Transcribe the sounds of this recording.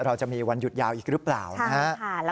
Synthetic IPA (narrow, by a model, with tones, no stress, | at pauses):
ɾa˧wt͡ɕa˨˩miː˧wa˧nju˨˩t̪̚jaː˧wʔiː˨˩k̚ɾɯ˦˥plaː˨˩wa˦˥˩l